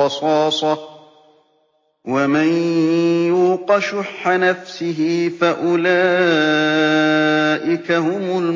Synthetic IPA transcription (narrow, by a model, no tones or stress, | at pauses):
ɑsˤɑːsˤɑ | wamanjuqɑʃʊħːanafsɪɦɪfaʔʊlaː | ʔɪkahʊmʊl